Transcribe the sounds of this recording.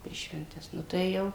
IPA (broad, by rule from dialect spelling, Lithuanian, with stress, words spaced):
pʲɛr ʃʲʋʲɛnʲˈtʲɛs nʊ tɐɪ ˈjɛʊ